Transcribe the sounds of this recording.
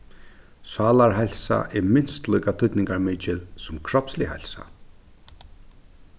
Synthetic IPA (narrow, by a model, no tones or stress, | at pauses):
saːlaɾɦɛjlsa̰ʔɛɹmɪnst̪lœjkat̪ʰʏt̪nɪŋkaɾmɪt͡ʃɪlsʊmkʰɾɔpslḭɦɛ̰lsa̰